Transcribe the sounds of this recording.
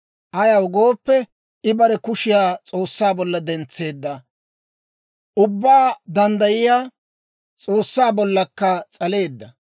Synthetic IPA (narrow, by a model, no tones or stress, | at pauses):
ʔɐjɐwʊɡo̞ːpːɛ | ɪbɐɾɛkʊʃɪjaːt͡sʼo̞ːsːaːbɔlːɐd̪ɛnt͡sːe̞ːd̪ːɐ | ʔʊbːaːd̪ɐnd̪ɐjɪjaː | t͡sʼoːsːaːbɔlːɐkːɐt͡sʼɐle̞ːd̪ːɐ